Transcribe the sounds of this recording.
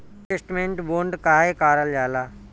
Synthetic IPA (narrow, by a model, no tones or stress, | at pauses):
esʈmẽɳʈboːɳɖkaːekaːɾəljaːlaː